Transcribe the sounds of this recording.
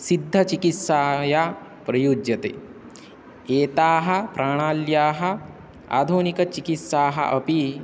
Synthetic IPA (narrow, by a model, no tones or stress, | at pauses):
sid̪ʱːɐt͡ʃikit̪saːja | pɾɐjuːd͡ʒjɐt̪ḛː | eːt̪aːɦɐ̆pɾʔaːɳ̃aːljaːɦɐ̆ | a̰ːd̪ʱuːnikɐt͡ʃikit̪saːɦɐ̰ʔɐpi